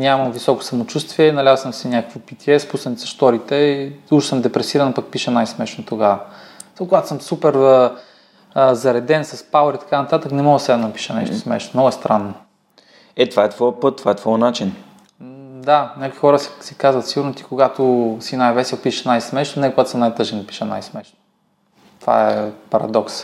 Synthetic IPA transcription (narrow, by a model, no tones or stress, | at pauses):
nʲamɐmvisɔko̥sɐmot͡ʃust̪viɛnɐlʲazəsəmsɛnʲjakə̥kvopit̪ʲiɛspusɐnisɐ̥ʃt̪ɔɾit̪ɛiuʃo̥səmd̪ɛpɾɛsiɾɐnpak̚piʃənajsmɛʃnot̪oɡavɐakoɡat̪o̥səmsupɛɾ | zɐɾɛd̪ɛnsɐspawɾit̪ɐ̥kanɐt̪at̪əknɛmɔɡsɛnd̪ɐpi̥ʃənɛ̰ʃt̪osmɛ̰ʃt̪omnɔɡʊɛst̪ɾanːo | ɛt̪ovaɛt̪vɔjəpɤt̪ːvaɛt̪vɔjnat͡ʃin | d̪anʲakʊixɔɾəssi̥kazvət̪siɡʊɾnot̪i̥koɡat̪ʊsinajvɛsɛlˠpiʃənajsmɛʃnonɛkoɡat̪ʊ̥səmnajt̪ɤʒɛnd̪ɐpi̥ʃəna̰jsmɛʃno | t̪o̥va̰ɛpɐɾɐ̰d̪ɔks